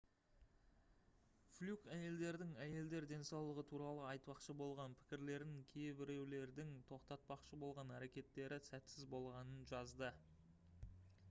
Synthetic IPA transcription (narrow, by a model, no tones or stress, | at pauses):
flʲukæje̞ld̪e̞ɾd̪ɪŋæje̞ld̪e̞ɾd̪e̞nsɑwlˠəʁət̪ʰuɾɑlˠəɑjt̪pɑqʃəbo̞lˠʁɑnpʰɪ̥kʲɪɾle̞ɾd̪ɪŋkʲʰejbɪɾe̞wle̞ɾd̪ɪŋt̪ʰo̞qt̪ɑt̪̚pɑqʃəbo̞lˠʁɑnæɾe̞kʲe̞t̪ːe̞ɾɪsæt̪sɪzbo̞lˠʁɑnənʒɑzd̪ə